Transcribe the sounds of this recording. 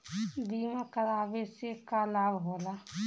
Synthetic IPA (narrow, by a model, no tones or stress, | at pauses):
d̪iːmãkəɾaːbesekaːlaːbɦoːla